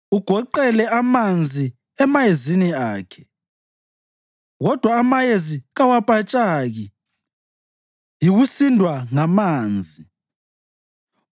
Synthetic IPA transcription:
uɡ̥ʱɔǃɛlɛamand͡zʱi | ɛmajeziniaːkʰɛ̥ | ɣɔd̥ʱwaːmajeziɣawapʼat͡ʃʼaɣi | jiɣusindʱwaŋamaːnd͡zʱi

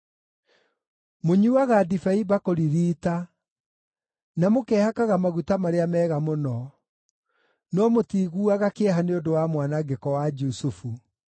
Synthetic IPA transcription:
moɲuaɣadifaibakoɾiɾiːta | namokɛːhakaɣamaɣutamaɾeamɛːɣamonɔ | nɔmotiɣuːaɣakeɛɦaneodowamwanaɡekɔwad͡ʒusufu

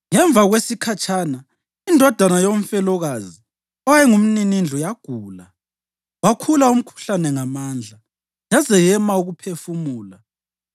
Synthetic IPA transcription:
ŋɛɱb̪vʱaɣwesikʰat͡ʃʰana | indʱɔd̥ʱanajoɱ̩fɛlɔɣazi | ɔwɛŋum̩ninind͡ɮʱujaɡ̥ʱuːla | wakʰulaum̩kʰu̥ɬanɛŋamaːnd͡ɮʱa | jazɛjɛmauɣupʰefumuːla

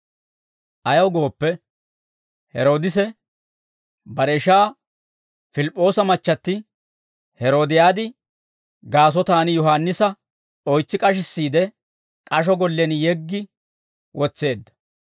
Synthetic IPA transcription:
ʔɐjɐwɡo̞ːpːɛ | hɛ̰ɾo̞ːd̪ɪs̬ɛ | bɐɾɛʃaː | fɪlɪpʼːo̞ːsɐmɐt͡ʃːɐt̪ːɪ | hɛɾo̞ːd̪ɪjaːd̪ɪ | ɡaːs̬ɔt̪aːnjɔɦaːnːɪsɐ | ɔjt͡sːɪkʼɐʃ̬ɪsːiːd̪ɛ | kʼɐʃ̬ɔɡɔlːɛnjɛɡːɪ | wɔt͡sːe̞ːd̪ːɐ̥

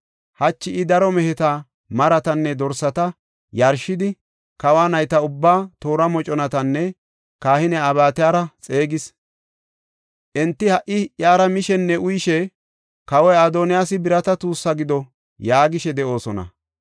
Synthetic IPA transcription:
hɐt͡ʃːɪʔɪd̪ɐɾɔmɛhɛt̪aː | mɐɾɐt̪ɐnːɛd̪ɔɾsɐt̪ɐ | jɐɾʃːɪd̪ɪ | kɐwaːnɐjt̪ɐʊbːaːt̪oːɾɐmɔt͡ʃʼɔnɐt̪ɐnːɛ | kaːhɪnɛabaːt̪ɪjaːɾɐt͡sʼe̞ːɡɪs | ʔɛnt̪ːɪhɐʔɪʔjaːɾɐmɪʃɛnːɛʔʊjɪʃɛ | kɐwɔjad̪oːnɪjaːsɪbɪɾɐt̪ɐt̪uːsːɐɡɪd̪ɔ | jaːɡɪʃɛd̪ɛʔo̞ːsɔnɐ̰

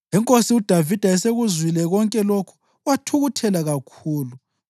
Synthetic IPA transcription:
ɛŋkʼosiud̥ʱavid̥ʱaɛseɣuzwilɛɣɔŋkʼɛlokʰu̥ | watʰuɣutʰɛlaɣakʰuːlu

